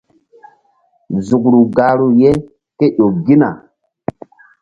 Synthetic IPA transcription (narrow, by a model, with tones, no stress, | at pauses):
zu˨k̚ɾu˨ɡa˨ɾu˨je˦ | ke˦ɗo˨ɡi˦na̰˨